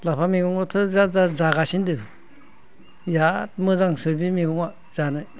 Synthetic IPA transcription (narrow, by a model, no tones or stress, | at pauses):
lapʰamiɡuŋɔtʰɯzazazaɡasindɯ | jat̚mɯzaŋsɯbimiɡuŋa | z̥anɯj